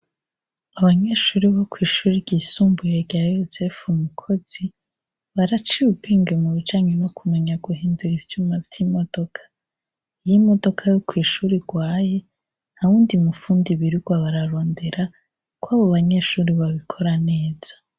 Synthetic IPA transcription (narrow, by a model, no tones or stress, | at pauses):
aβaɲe̞ʃuːɾiβokwiːʃuːɾibɟiːsuːmbujeɾɟajosefumukʰo̞z̥i | βaɾat͡ʃiub̚ɡiːŋɡemuβid͡ʒaːɲeno̞kʰumeɲaɡuhiːnduɾivjumavjimo̞d̥o̞kʰḁ | jimo̞do̞kʰajokwiːʃuːɾiɡwaːje̞ | aβuːndimufuːndiβiɾuɡwaβaɾaɾo̞ːnde̞ɾa | kwaːβoβaɲe̞ːʃuːɾiβaβikʰo̞ɾane̞ːz̥ḁ